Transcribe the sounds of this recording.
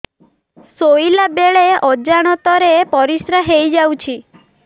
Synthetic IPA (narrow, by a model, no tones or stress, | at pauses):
soilabeɭeʔɔd͡ʒaɽ̃ɔt̪ɔɾepɔɾisɾaɦejd͡ʒawt͡ʃʰi